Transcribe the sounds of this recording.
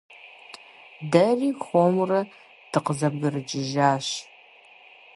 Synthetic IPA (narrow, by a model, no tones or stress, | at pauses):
dɐriːxʷomrɐ | d̥ɨqəzɐbɡɨrɨt͡ʃʼɪʒaːɕ